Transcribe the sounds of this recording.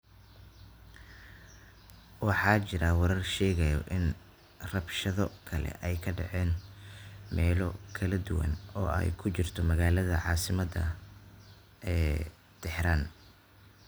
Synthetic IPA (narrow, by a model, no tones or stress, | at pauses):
wɑħɑːt͡ʃɪɾɐwɐɾɐrʃɛːɣɐjɔʔɪn | rɐbʃɐðɔkʰɐlɛ̰ʔɛjkʰɐɖɑ̰ʕɛːn | mɛːlɔkʰɐlɐd̪ʊwɐ̰nɔːɛ̰jkʰʊt͡ʃɪrt̪ʰɔmɐɣaːlɐðɐʕɑːsɪmɐd̪ɐ | ɛː | t̪ʰɛħɾaːn